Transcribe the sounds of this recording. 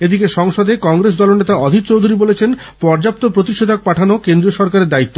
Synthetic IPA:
ed̪ikeʃɔŋʃod̪ekɔŋɡɾes̬d̪ɔlonet̪aɔd̪ʱik̚t͡ɕowd̪ʱuɾibolet͡ɕʰenpɔɾd͡ʑap̚t̪opɾot̪iʃod̪ʱak̚paʈʰanokend̪ɾioʃɔɾkaɾeɾd̪ait̪ːo

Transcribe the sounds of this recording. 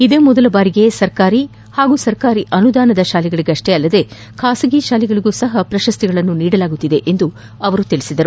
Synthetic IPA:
id̪eːmɔd̪ɐlɐbaːɾiɡe̞sɐɾkaːɾi | haːɡuːsɐɾkaːɾiʔɐnud̪aːnɐd̪ɐʃaːliɡɐɭiɡeɐʂʈe̞ɐlːɐd̪e̞ | kʰaːsɐɡiʃaːliɡɐɭiɡuːsɐɦɐpɾɐʃɐst̪iɡɐɭɐnːuniːɽɐlaːɡut̪ːid̪e̞ʔend̪u | ɐʋɐɾut̪iɭisid̪ɐɾu

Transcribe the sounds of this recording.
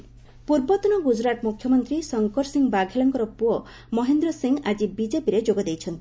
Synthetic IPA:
puɾbɔt̪ɔnɔɡud͡ʒɾat̪mukʰjɔmɔnt̪ɾisɔŋkɔɾsiŋbaɡʱelɔŋkɔɾɔpuɔ | mɔɦend̪ɾɔsiŋad͡ʒibid͡ʒepiɾed͡ʒoɡɔd̪ejt͡ʃʰɔnt̪i

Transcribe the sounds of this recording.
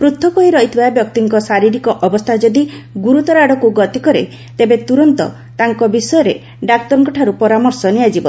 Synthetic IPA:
pɾut̪ʰːɔkɔɦiɾɔɦit̪ʰibabjɔk̚t̪iŋkɔsaɾiɾikɔʔɔbɔst̪ʰad͡ʒɔd̪iɡuɾut̪ɔɾaɽɔkuɡɔt̪ikɔɾḛ | t̪ebet̪uɾɔnt̪ɔ̰ | t̪aŋkɔbisɔjɔɾe | ɖak̚t̪ɔɾɔŋkɔʈʰaɾupɔɾamɔɾsɔniad͡ʒibɔ

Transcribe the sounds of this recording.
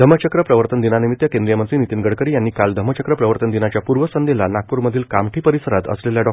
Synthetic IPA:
d̪ʱəmət͡ɕəkɾəpɾəʋəɾt̪ənd̪inanimit̪jəkẽnd̪ɾijəmənt͡siːnit̪iːnɡʱəɽkəɾiːjanːiːkald̪ʱəmət͡ɕəkɾəpɾəʋəɾt̪ənd̪inat͡ɕjapuɾʋəsənd̪elanak̚puɾməd̪ʱiːlkamʈʰiːpəɾisəɾat̪ə̰sleljaɖɔ

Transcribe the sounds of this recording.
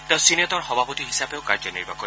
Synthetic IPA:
tɛʊ̃sinɔtɔɹxɔbʱapot̪iɦisabeʊkaɹd͡ʒɔnḭɹbako

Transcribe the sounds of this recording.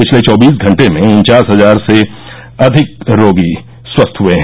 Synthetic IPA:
pɪt͡ʃʰlet͡ʃɔːbiːs̬ɡʱɐ̃ɳʈemẽʊnt͡ʃaːsɦɐzaːɾse | ɐd̪ʱɪk̚ɾoːɡi | swɐst̪ʰɦʊeɦɛ̃

